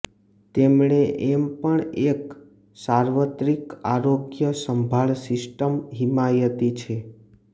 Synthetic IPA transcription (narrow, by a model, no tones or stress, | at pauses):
t̪emɳeʔempəɳek | saɾʋət̪ɾikaɾoɡjəsəmbʱaɭsɪsʈəmɦimajət̪it͡ʃʰe